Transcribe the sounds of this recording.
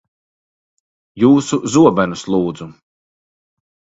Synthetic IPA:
juːsuzuɔbænuslˠuːd̪zu

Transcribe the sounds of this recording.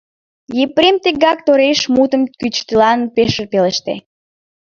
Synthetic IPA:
jepɾemt̪eɡɑk̚t̪oɾeʃmut̪əmkyt͡ɕt̪əlɑnpeʃərpeleʃt̪ḛ

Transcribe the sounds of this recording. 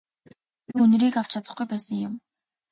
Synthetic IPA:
iun̆ɾiːkaw̥t͡ɕʰat͡sə̆χɡujpæːsə̆ŋjʊm

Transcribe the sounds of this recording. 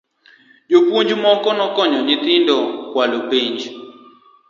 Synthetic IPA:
d͡ʒopuɲd͡ʒmɔkɔnɔkɔɲɔɲit̪ɪndɔkwalopiɲd͡ʒ

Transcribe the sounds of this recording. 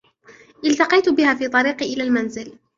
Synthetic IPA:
ʔɪlt̪ɑqɑjt̪ʊbɪhaːfiːt̪ˤɑɾiːqʔɪlaːlmanzɪl

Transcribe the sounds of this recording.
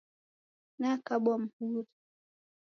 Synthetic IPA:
nakaɓam̩huɾi

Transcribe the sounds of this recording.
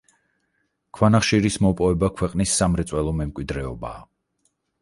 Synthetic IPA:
kʰwanaχʃiɾismɔpʼɔvɛbakʰwɛqʼnisːamɾɛt̪sʼwɛlˠɔmɛmkʼwid̪ɾɛɔba̰ː

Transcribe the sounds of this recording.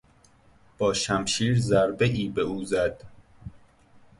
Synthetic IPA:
b̥ɒːʃæmʃiːɾzæɾbeʔiːbe̞uːzæd̪̥

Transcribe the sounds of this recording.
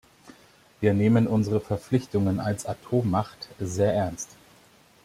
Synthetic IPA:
viːɐneːmənʊnzəʁəfɛɐp͡flɪçtʊŋənalsatʰoːmːaχtzeːɐʔɛɐnst

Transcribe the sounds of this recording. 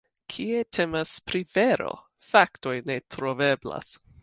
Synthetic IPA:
kʰie̞tʰe̞maspɾive̞ɾo̞̰ | fakto̞jne̞tɾo̞ve̞bla̰s

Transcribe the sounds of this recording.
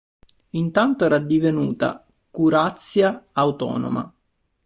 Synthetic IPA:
int̪ant̪oɛːɾad̪ivenṵːt̪a̰ | kuɾat̪sːjaːwt̪ɔ̰ːno̰ma̰

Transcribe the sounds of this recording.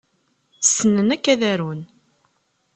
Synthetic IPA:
sːənːənækːæðæɾun

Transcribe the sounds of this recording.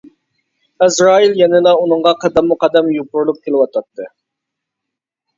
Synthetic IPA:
ɛzɾɑːiljɛnɪlˠɑunɨŋʁɑqʰɑd̪ɛmːʊqɑd̪ɛmjupʊɾlˠup̚kʲʰelɪwɑt̪ʰɑt̪ʰːɨ

